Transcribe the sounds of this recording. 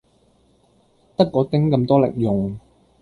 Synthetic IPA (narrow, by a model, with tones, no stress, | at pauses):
t̪ɐ˥kːɔː˨˧t̪ɪ˥ŋkɐ˧mt̪ɔː˥lɪ̰˨k̚jʊ˨ŋ